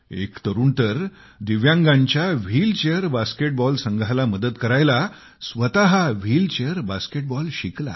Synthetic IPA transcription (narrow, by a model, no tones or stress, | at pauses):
ḛkt̪əɾuːɳt̪əɾ | d̪iʋjãŋɡãɲt͡ɕjaʋ̤iːlt͡ɕeəɾbaskeʈ̚bɔlsəŋɡʱalaməd̪ət̪kəɾajla | sʋət̪aɦaʋ̤iːlt͡ɕeəɾbaskeʈ̚bɔlɕikla̰